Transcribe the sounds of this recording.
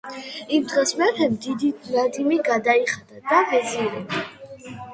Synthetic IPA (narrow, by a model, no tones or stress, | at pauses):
imd̪ʁɛsmɛt̪ʰɛmd̪id̪inad̪imiɡad̪aiχad̪̥ad̪avɛziɾɛba